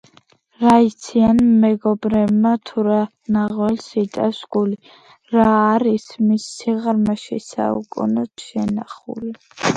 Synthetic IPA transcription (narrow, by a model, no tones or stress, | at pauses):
ɾait̪sʰianmɛɡɔbɾɛbmat̪ʰuɾa | naʁwɛlsit̪ʼafsɡ̥uli | ɾaːɾismisːiʁɾmaʃḭsa̰ṵkʼṵnɔt̪ʰʃɛnaχṵli